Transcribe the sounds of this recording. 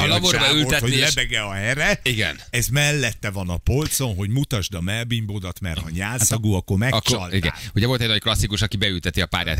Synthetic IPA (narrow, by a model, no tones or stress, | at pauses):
lɒborbɛylt̪ɛolɛbɛɡɛɒɦɛɾɛiɡɛ̰nɛzmɛlːɛt̪ːɛvɒnɒpo̞lt̪so̞nɦo̞ɟmut̪ɒʒd̪ɒmɛlbimbod̪ɒt̪mɛrhɒɲaːlsɒɡuːɒkːormɛkkːɒliɡ̪ɛ̰nuɟɛvo̞lt̪ɛɟnɒcklɒsːikuʃɒkibɛylt̪ɛt̪iɒpa̰ːɾja̰ːt̪